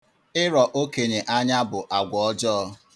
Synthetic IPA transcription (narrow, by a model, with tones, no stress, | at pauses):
ɪ˦ɾɔ˨ʔo˦ke˨ɲe˨ʔa˦ɲa˦bʊ˨ʔa˨ɡʷɔ˨ɔ˦d͡ʒɔː˦